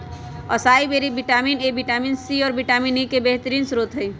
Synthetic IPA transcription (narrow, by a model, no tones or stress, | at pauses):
ɔ̰saibeɾibiʈaminebiʈaminsiɔːɾbiʈaminikebeɦt̪əɾiːnsɾot̪ɦəj